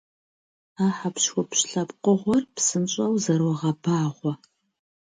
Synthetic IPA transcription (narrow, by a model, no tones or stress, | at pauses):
aːħapɕxʷɔpɕɬɐpqʷʊʁʷɔrpsɨnɕʼɐwzɐrwɔʁɐbaːʁʷɔ